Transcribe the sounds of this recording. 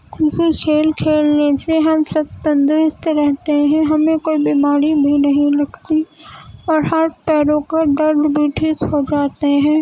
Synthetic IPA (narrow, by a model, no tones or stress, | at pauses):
kʰuːfikʰeːlkʰeːlneseɦɐmsɐb̚t̪ə̃nd̪ɾɪst̪ɾɛɦt̪eɦɛ̃ɦɐmẽkoːibimaːɾibʱinɐɦĩlɐɡt̪iɔːɾɦaɾpɛːɾõkaɖɐɾd̪bʱiʈʰiːkhod͡ʒaːt̪eɦɛ̃ː